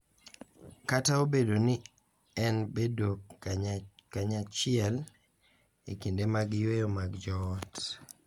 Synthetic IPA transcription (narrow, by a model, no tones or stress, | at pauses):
kataobedonɪ | ɛnbedok | kaɲat͡ʃɪɛl | ekindemaɡjwejomaɡd͡ʒɔt